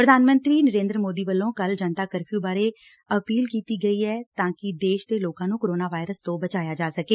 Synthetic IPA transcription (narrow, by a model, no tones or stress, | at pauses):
pɾəd̪ʱaːnmə̃nt̪ɾiːnəɾẽːnd̪ɾəmoːd̪iːbəlːõːkəld͡ʒənt̪aːkəɾpʰjũːbaːɾeː | əpiːlkiːt̪iːɡəiːɛːt̪ãːkɪd̪eːʃd̪eːloːkãːnũːkoɾoːnaːʋaːɪɾəst̪õːbət͡ʃaːjaːd͡ʒaːsəkeː